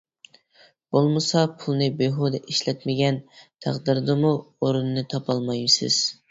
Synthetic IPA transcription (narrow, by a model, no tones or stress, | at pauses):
b̥olˠmɨsɑpʰulˠnɨbeɦod̪ɛʔiʃlɛt̪mɪɡʲɛnt̪ʰæ̰qd̪ɨɾd̪ɨmuoɾunɨnɨt̪ʰɑpʰɑlˠmɑjmsɪ̰z̥